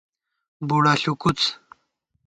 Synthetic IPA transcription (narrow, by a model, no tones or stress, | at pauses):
buɽaɬukut͡s